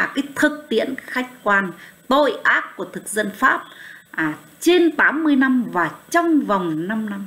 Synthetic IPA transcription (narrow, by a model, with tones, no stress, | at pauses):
a˨˩kaː˨˦jt̪ʰɨ˨˩k̚t̪ḭ˧˥ənxa˦˥jk̟̚kwaː˧nt̪o˧˨jʔaː˦˥k̚ku˧˩ət̪ʰɨ˨˩k̚zə̰˧˨nfaː˦˥p̚ː | t͡ɕe˧nt̪aː˨˦mːɨ˧əjna˧mvaː˨˩t͡ɕɔ˧wŋ͡mva˨˩wŋ͡mna˧mna˧m